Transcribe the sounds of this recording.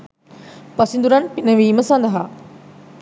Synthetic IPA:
pɐsind̪uɾɐnpinəʋiːməsɐnd̪ɐɦa

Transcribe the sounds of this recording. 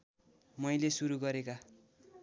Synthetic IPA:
mʌjlesuɾuɡʌɾeka

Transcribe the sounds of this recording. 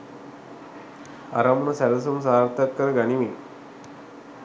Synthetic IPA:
ɐ̰ɾamunɐsælɐs̬umsaːɾt̪ːɐkːɐɾɐɡaniʋin

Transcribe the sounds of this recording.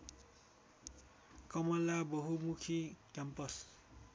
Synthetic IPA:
kʌmʌlːabʌɦumukʰikampʌs

